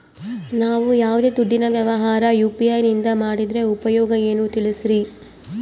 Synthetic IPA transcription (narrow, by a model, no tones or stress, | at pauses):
naːʋujaːʋud̪e̞ːd̪uɖːinɐʋjɐʋɐɦaːɾɐjuːpiɐjnind̪ɐmaːɽid̪ɾe̞upɐjɔːɡɐe̞ːnuːt̪iɭisɾi